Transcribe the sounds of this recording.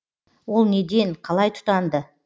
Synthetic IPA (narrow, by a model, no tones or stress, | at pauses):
wo̞lˠne̞d̪e̞ɴqʰɑlˠɑjt̪ʰʊ̥t̪ɑnd̪ə